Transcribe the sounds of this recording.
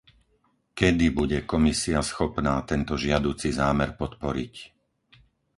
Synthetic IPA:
kɛd̪ibuɟɛkɔmisiasxɔpnaːt̪ɛnt̪ɔʒɪad̪uːt͡sizaːmɛɾpɔt̪pɔɾḭc

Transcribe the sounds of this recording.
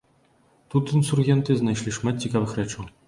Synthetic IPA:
t̪ut̪insurɣʲɛnt̪ɨznajʃlʲiʂmat̪̚ʲt͡ɕʲːikavɨxɾɛt͡ʃu

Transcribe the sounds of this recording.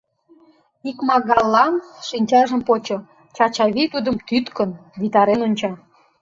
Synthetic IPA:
ikmɑɣɑlːɑnʃinʲt͡ɕɑʒə̆mpot͡ɕo | t͡ɕɑt͡ɕɑβit̪ud̪əmt̪yt̪kənvit̪ɑɾenonʲt͡ɕɑ

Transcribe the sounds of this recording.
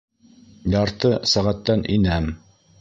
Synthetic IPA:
jɑɾt̪ɤsæʁæt̪ːænʔinæm

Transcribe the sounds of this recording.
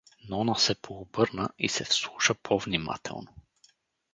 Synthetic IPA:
nɔnəsɛpʰoːbɤɾnəisɛfslˠuʃəpʰovnima̰t̪ʰɛ̰lˠno

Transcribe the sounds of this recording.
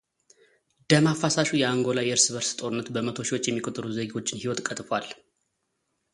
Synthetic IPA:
d̪̥əmafasaʃujɛaŋɡo̞lajɛɨɾsɨβəɾsɨ̥t̪ʼo̞ɾɨnːət̪bəmət̪ʰo̞ʃiwot͡ʃːjɛmːikʼot̪ʼɨɾuzeɡo̞t͡ʃːɪnhiwɔt̪kʼət̪ʼfwal

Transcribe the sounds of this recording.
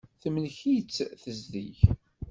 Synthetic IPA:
θəmlçit͡sːθəzðḭç

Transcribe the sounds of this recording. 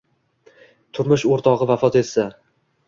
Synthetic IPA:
t̪ʰʊɾmʊʃoɾt̪ʰɒʁɨvafɒt̪e̞t̪sa

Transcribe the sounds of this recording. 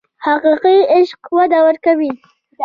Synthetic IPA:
haqiqiɪʃqwad̪awəɾkawi

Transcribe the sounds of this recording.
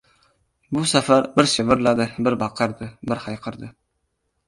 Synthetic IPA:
bʊsæfæɾbɪɾʃɪvɪɾlˠad̪ɨbɪɾbɑqʰəɾd̪ɨbɪɾhɑjqʰəɾd̪ɨ

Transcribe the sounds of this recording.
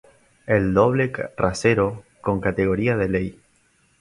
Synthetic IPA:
eld̪o̞β̞le̞raseɾo̞ko̞ŋkat̪e̞ɣo̞ɾiaðelej

